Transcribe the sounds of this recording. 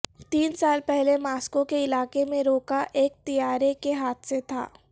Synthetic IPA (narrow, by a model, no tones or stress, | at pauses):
t̪iːnsaːlpɛɦlemaːskõkeɪlaːkemẽɾoːkaʔeːk̚t̪ijaːɾekeɦaːt̪ʰset̪ʰa̰ː